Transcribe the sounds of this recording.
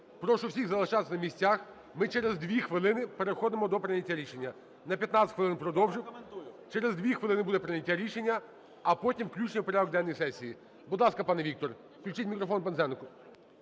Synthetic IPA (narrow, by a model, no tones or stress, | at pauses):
pɾɔʃʊwsʲiɣzɐlˠɐʃɑt̪esʲɐnɐmʲisʲt͡sʲax | mɪt͡ʃɛɾezd̪ʋʲixʋɪlˠɪnɪpeɾexɔd̪emɔd̪ɔpɾɪnʲɐtʲːaɾʲiʃenʲːɐ | nɐpʲjɐt̪nɑt̪ʲɪ̥tʲxʋɪlˠɪnpɾɔd̪ɔwʒɪt͡ʃɛɾezd̪ʲʋʲixʋɪlˠɪnɪbud̪ɛpɾɪnʲɐtʲːaɾʲiʃenʲːɐ | ɐpɔtʲimwklʲut͡ʃʲnʲipɔɾʲaɦɔɡ̚d̪ɛnnɔjsɛsʲːiji | bʊd̪lˠɑskɐpɑnɛʋʲik̚t̪ɔr | klʲʉt͡ʃɪtʲmʲikɾɔfɔnpenzɛnkʊ